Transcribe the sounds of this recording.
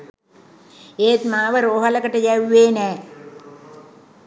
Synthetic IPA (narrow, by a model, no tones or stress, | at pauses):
eːt̪maːʋəɾoːɦələkəʈəjæʋeːnɛː